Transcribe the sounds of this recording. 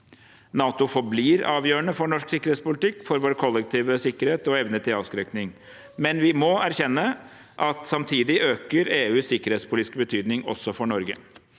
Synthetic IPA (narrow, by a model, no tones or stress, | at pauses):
nɑːt̪ʊfɔɾbliːɾɑ̰ːʋjøːəɳəfɔɳɔʂksɪkːəɾhet̪spʊlɪt̪ɪkːfɔɾʋoːɾəkʰɔlːɛk̚t̪ʰiːʋəsɪkːəɾheːt̪ɔɛʋnət̪ʰɪlɑːʋskɾɛknɪŋ | mɛnʋɪmɔæɾçɛnːə | ʔɑt̪sɑmt̪ʰiːd̪ɪʔøːkəɾeːʉːsːɪkːəɾheːt̪spʰʊlːt̪ɪskəbət̪ʰyːd̪nɪŋɔ̰sɔfɔɳɔɾɡə̰